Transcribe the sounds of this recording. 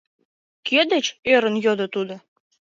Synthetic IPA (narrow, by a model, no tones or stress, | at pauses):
kʲød̪et͡ɕøɾə̆njod̪ɤ̆t̪ud̪ɤ̆